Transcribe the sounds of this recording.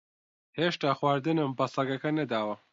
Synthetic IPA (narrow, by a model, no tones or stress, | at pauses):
heːʃt̪aːxwaːɾd̪ɨnɨmbɐsɐɡɐkɐnɐd̪aːwɐ